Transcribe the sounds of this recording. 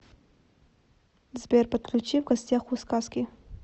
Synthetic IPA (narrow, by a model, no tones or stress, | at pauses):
zbʲerpɐt̪̚kʰlʲut͡ʃivɡɐsʲtʲaχuskaskʲi